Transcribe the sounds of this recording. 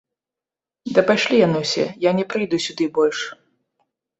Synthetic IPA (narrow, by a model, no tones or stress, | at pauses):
d̪ɐpajʂlʲijanɨwsʲɛ̰janʲɛpɾɨjd̪usʲud̪ɨbɔlʲʂ